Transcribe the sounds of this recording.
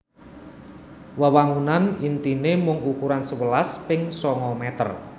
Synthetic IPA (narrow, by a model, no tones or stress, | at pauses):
wawaŋunanint̪inemʊŋukuɾansəwəlaspɪŋsɔŋɔmɛt̪ə̰r